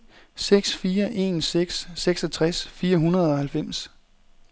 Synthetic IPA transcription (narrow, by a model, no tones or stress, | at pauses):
seɡ̥sfiːɐʔe̝̰ːnseɡ̥sːeɡ̥sɒt͡sʰʁasfiːɐɦunɐð̞ˠɒ̽hælfem̰s